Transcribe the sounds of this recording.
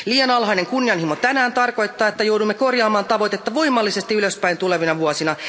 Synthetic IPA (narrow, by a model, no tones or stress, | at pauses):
liːjɑnɑlɦɑjne̞ŋkunːijɑnhimot̪ænæːnt̪ɑrko̞jt̪ːɑːet̪ːæjowdumːeko̞rjɑːmɑːnt̪ɑʋo̞jt̪e̞t̪ːɑʋo̞jmːɑlːise̞st̪iyløspæjnt̪ule̞ʋinɑʋuosinɑ